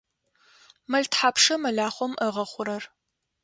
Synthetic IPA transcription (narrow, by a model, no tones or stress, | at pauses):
mɐɮtʰħaːpʰʂɐmɐɮaːχʷɔmʔəʁɐχʷʊɾɐr